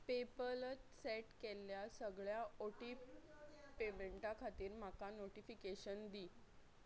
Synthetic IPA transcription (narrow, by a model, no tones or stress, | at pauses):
pepələt͡s̪seʈkeljasəɡɭjaoʈiː | pemeɳʈakʰat̪iːɾm̤akanoʈifikeɕənd̪iː